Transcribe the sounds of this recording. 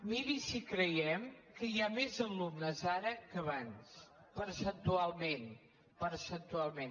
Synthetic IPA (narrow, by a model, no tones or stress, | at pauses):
miɾisikɾəjɛmkəjamezəlumnəzaɾəkəβans | pəɾsənt̪ualˠmen | pəɾsənt̪ualˠmen